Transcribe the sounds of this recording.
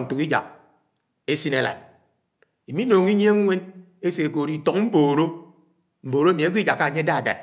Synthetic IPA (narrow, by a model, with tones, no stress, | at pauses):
n̩˨tu˨ki˦d͡ʒa̰˨k̚ | e˦si˦ne˦la̰˨n | i˨mi˦no˨ŋ˦i˦ɲ˦e˦ŋʷ˦e˦ne˦se˨koː˨ɾi˦˨tɔ˨km̩˦boː˨ɾo˦ | m̩˨boː˨ɾo˦mi˨e˦ɡʷi˦d͡ʒa˨kːa˨ɲe˦da˦a˨da̰˨t̚